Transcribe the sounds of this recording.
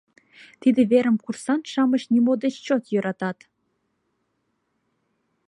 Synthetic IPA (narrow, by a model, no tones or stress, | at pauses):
t̪id̪ĕβeɾə̆mkursɑnʃɑmə̆ɕnʲimod̪et͡ɕt͡ɕot̪jɤ̆ɾʔɑt̪ɑt̪